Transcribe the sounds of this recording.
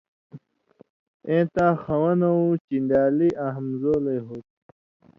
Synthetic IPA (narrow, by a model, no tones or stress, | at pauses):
ẽːt̪ãːxɐwɐnɐũt͡ɕind̪aːliʔaɦmzoːleɦoːt̪̚